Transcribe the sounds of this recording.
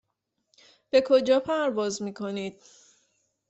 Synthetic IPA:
b̥e̞kʰo̞d͡ʒɒːpʰæɾvɒːzmiːkʰo̞niːd̪̥̚

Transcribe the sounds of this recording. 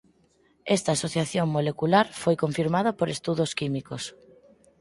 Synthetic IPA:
ɛst̪aːsoθjaθjoŋmolekulaɾfojkoɱfiɾmað̞apoɾest̪uðoskimikos

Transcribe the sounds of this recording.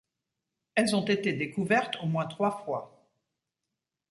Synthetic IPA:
ɛlzɔ̃t̪et̪ed̪ekuvɛʁt̪ʰomwɛ̃t̪χwafwa

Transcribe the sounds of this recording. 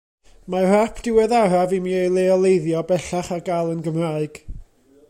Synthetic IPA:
mar̥apʰd̥ɪwɛðaɾavimiːejlˠeɔlˠejðjɔbɛɬaχaɡalˠənɡəmraɨɡ̥

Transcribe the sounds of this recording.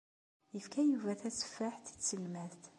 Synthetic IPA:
əfkæjuvæθæsfaħθi̥t͡sːəlmæθθ

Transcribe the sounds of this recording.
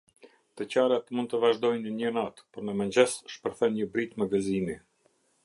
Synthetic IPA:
t̪ət͡ɕaɾat̪mund̪̚t̪əvaʒd̪ɔjnəɲənat̪pɔɾnəmənd͡ʑɛsʃpəɾθɛnɲəbɾit̪məvɛzimi

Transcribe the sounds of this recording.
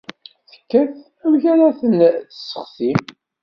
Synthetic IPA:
θə̥kːæθ | æmʝæɾaθənə̥sːə̥χsim

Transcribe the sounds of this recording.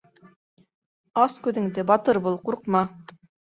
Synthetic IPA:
ɑskʉðɘ̆ŋd̪ɘbɑt̪ɤɾbulˠquɾqmɑ

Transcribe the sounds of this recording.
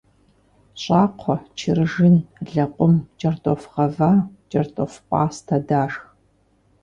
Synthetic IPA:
ɕʼaːqʷʰɔt͡ʃʰɪrɨʒɪnɮɐqʷʼʊmd͡ʒʼɐrtʼɔfʁɐvaːd͡ʒʼɐrtʼofqʷʼɑːstʰɐdaːʂx

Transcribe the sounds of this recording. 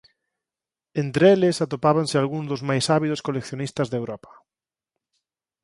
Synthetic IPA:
ent̪ɾeelɪsat̪opaβansɪalɣuŋzðozmajsaβiðoskolekθjonist̪azðewɾɔpḁ

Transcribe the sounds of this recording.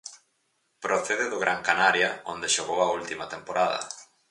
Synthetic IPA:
pɾoθeðɪðʊɣɾʔaŋkanaɾjɐond̪eʃoɣowɐult̪imɐt̪empoɾaðɐ̰

